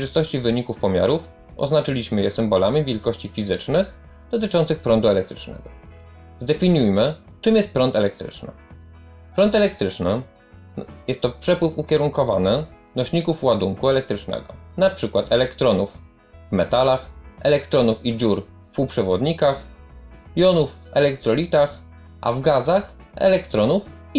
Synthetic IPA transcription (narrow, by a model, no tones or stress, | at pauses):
jʐɘst̪ɔɕt͡ɕivɘɲikufpɔmʲja̰ɾuf | ɔ̰znat͡ʂɘlʲiɕmɘjɛsɘmbɔlamʲivʲjɛlkɔɕt͡ɕifʲizɘt͡ʂnɘx | d̪̥ɔt̪ɘt͡ʂɔnt̪sɘxpɾɔnd̪uɛlɛk̚t̪ɾɘt͡ʂnɛ̰ɡɔ | zd̪ɛfʲiɲujmɘ | t͡ʂɘmjɛst̪̚pɾɔnt̪ɛlɛkt̪ɾɘ̰t͡ʂnɘ̰ | pɾɔnt̪ɛlɛkt̪ɾɘt͡ʂnɘ | jɛst̪ːɔpʂɛpwɘfukʲɛɾuŋkɔvanɘ | nɔɕɲikufuwad̪uŋkuɛlɛkt̪ɾɘt͡ʂnɛ̰ɡɔnapʂɘkwat̪ʰɛlɛkt̪ɾɔnuf | vmɛt̪alaxʔɛlɛkt̪ɾɔnufid͡ʑuɾ | fpuwpʂɛvɔd̪ɲikax | jɔnufːɛlɛkt̪ɾɔlʲit̪ax | ʔa̰vɡazax | ɛ̰lɛkt̪ɾɔnuf